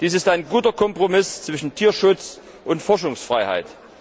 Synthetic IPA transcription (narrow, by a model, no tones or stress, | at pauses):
d̥iːs̬ɪstaɪnɡuːtɐkʰɔmpʁ̥omɪst͡sv̥ɪʃn̩tʰiːɐʃʊt͡s | ʔʊntfɔɐʃʊŋsfʁ̥aɪha̰ɪt